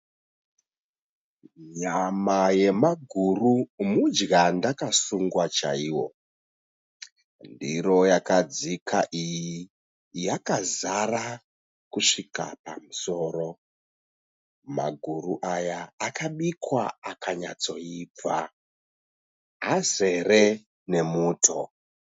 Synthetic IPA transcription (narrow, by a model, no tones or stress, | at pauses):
ɲamaje̞maɡʱurumud͡ʒɡandakasuŋɡwat͡ʃa̰iwo̞̰ | ndiɾo̞jakad͡zikʰaʔiji | jakazara | kuʂika̰pamuso̞ːro | ma̰ɡʱuruʔajaːkaɓikwaakʰaɲat͡so̞iːb͡va | ɦaze̞re | ne̞muːtʰo